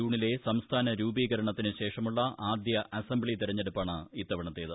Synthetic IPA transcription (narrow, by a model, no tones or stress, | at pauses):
uːɳile̞sɐmst̪ʰaːnɐɾuːbiːɣɐɾɐɳɐt̪ːinɨɕe̞ːʂɐmuɭːɐaːd̪jɐʔɐsɐmbɭit̪iɾɐɲːe̞ɽupːaːɳɨit̪ːɐʋɐɳɐt̪ːeːðɨ